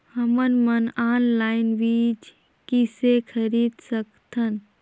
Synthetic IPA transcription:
həmənmənaːnlaːɪnʋiːd͡ʒ | kisekʰəɾiːd̪səkt̪ʰən

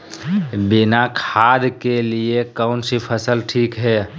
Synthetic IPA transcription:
binakʰad̪keliekəʊnsipʰəsəlʈʰikɦɛ

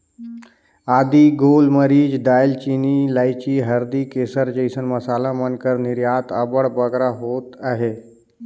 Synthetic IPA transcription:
aːd̪iɡoːlməɾiːd͡ʒɖaːjlt͡ʃiːnilaːɪt͡ʃiɦəɾd̪ikeːsəɾd͡ʒəɪsənmɐsaːlamənkəɾnɪɾjaːt̪əbəɽbəɡɾaɦoːt̪aɦeː

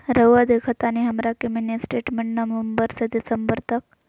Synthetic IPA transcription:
ɾəʋad̪ekʰət̪aniɦəmɾakeminisʈeʈmeɳʈnɐʋəmbəɾsəd̪isəmbəɾt̪ək̚

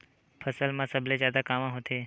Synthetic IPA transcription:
pʰəsəlmãsəbʱlezjaːd̪akaːmãɦot̪ʰeː

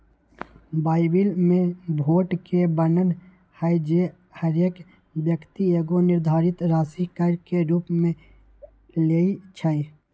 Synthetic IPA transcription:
baːɪbɪlmẽbʱoːʈkebənən | həjd͡ʒe | həɾeːk | bjəkt̪ieːɡonɪɾd̪ʱaːɾɪt̪ɾaːsikəɾkeɾuːpmẽ | leːit͡ʃʰəi

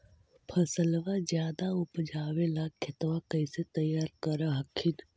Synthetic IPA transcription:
pʰəsəlʋad͡ʒjaːd̪aʊpd͡ʒaːwelakʰːɪt̪ʋakɐiset̪əjːaːɾkəɾaɦɐkʰɪn

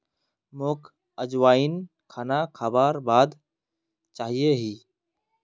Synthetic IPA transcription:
moːk | əd͡ʒwaːin | kʰaːnakʰaːbaːɾbaːd̪ | t͡ʃaːɦijeɦiː

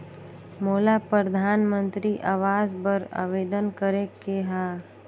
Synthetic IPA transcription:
moːlapɾəd̪ʱaːnmə̃nt̪ɾiʔaːʋaːzbəɾa̰ːʋeːd̪ənkəɾekeɦaː

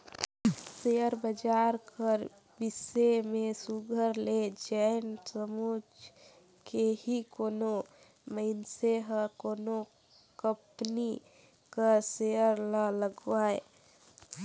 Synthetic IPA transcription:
sejəɾbəd͡ʒaːɾkəɾ | bɪsemẽsuɡʱəɾled͡ʒɛːnsəmoːd͡ʒ | kehikoːno | məɪnseɦəkoːno | kəpni | kasejəɾlaləɡwaːe

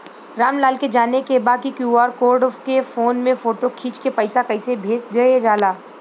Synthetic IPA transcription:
ɾaːmlaːlked͡ʒaːnekebaːd̪̚kikjuːaːɾkoːɾɖkefoːnmẽfoːʈokʰiːt͡ʃkepɐɪsakɐɪsebʱeːd͡ʒd͡ʒɐed͡ʒaːlaː

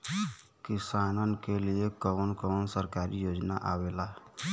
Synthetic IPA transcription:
kisanənkeliekəənkəənsəɾkaɾijod͡ʒna̰ʔabela

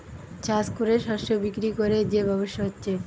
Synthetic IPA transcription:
t͡ɕaskuɾeʃɔʃobikɾikoɾed͡ʑebɔboʃːoɦotːɕʰe

